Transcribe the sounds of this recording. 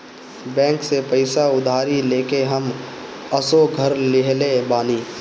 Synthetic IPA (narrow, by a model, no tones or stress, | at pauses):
bɛ̃ːŋksepɐɪsaʊd̪ʱaːɾileːkeɦəm | əsoɡʱəɾlɪɦlebaːniː